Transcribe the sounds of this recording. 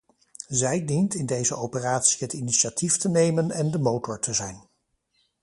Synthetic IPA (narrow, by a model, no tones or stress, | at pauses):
zɛjdintɪndejzəowpəraːtsiɦətiniʃatiftənejmənɛndəmowtʊɹtʰəzɛjn